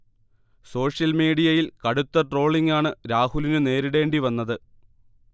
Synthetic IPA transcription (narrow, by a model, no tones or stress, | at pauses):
so̞ːʂjɐlmiːɽijɐjilkɐɽut̪ːɐʈro̞ːɭiŋɡaːɳɨɾaːhulinɨne̞ːɾiɽe̞ːɳɖiʋɐnːɐðɨ